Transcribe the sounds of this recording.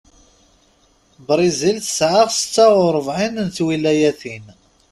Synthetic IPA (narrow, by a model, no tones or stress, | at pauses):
bɾˤizilθə̥sʕafsə̥t͡sːaʁʊɾˤəvʕinnθwilæjæθin